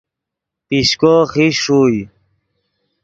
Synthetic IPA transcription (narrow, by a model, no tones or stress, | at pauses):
piɕkoxiʂuj